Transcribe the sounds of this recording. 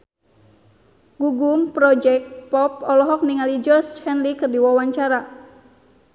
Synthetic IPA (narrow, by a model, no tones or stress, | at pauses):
ɡ̥uɡumpɾɔd͡ʒɛk̚t̪̚pɔpɔlɔɦɔk̚niŋalid͡ʒɔrshɛnlikɨrdiwawaɲt͡ʃaɾa